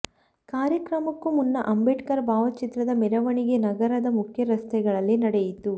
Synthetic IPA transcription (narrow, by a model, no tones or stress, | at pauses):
kaːɾjɐkɾɐmɐkːumunːɐʔɐmbeʈkɐɾbʱaːʋɐt͡ʃit̪ɾɐd̪ɐmɛɾɐʋɐɳiɡe̞nɐɡɐɾɐd̪ɐmukʰjɐɾɐst̪ɛɡɐɭɐlːinɐɽejit̪u